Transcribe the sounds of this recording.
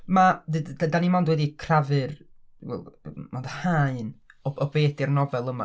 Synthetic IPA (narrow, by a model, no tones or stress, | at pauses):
madɨddadanimɔndwɛdikʰravɨrwɛ̰lˠmɔndəhaɨnɔɔbeːdɪrnɔvɛlˠəma̰